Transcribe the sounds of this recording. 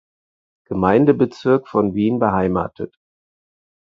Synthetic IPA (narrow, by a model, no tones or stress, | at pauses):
ɡ̥əmaɪndəbət͡sɪɐkfɔnviːnbəɦaɪma̰ːtʰət